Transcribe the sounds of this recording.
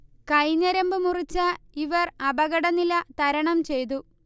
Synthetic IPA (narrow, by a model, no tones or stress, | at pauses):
kɐjɲːɐɾɐmbɨmurit͡ɕːɐiʋɐrɐbɐɣɐɽɐnilɐt̪ɐɾɐɳɐmt͡ɕe̞jt̪̬u